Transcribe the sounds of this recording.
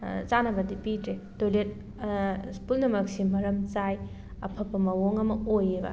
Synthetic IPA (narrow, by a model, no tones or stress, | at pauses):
t͡ʃanɐbɐdipitɾedojlet̚ | spulnɐmɐksimɐɾɐmt͡ʃaj | ɐpʰɐpːɐmɐwoŋɐmɐojebɐ̰